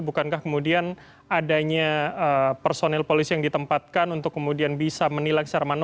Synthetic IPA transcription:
bukankahkəmudian | adaɲaəpərsonɛlpolisijaŋdit̪əmpat̪̚kanunt̪ʊkːəmudianbisamənilaŋst͡ʃaɾaman

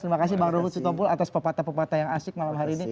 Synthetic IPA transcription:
t̪əɾimakasibaŋdɔɦut̪sit̪ɔbulat̪aspəpat̪apəpat̪ajaŋasɪk̚malamɦaɾiːni

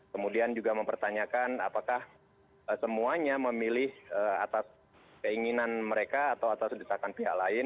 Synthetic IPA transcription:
kəmudiand͡ʒuɡaməmpərt̪aɲakana̰pakah | əsəmuaɲaməmilɪhəa̰t̪as | kəiŋinanməɾekaːt̪awat̪asdəsakanpiɦa̰klaɪn

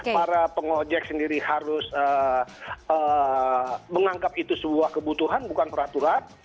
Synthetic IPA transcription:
ppaɾapəŋod͡ʒɛk̚səndiɾihaɾʊsə | ə | məŋaŋkapit̪usəbuahkəbut̪uɦanbukanpəɾat̪uɾan

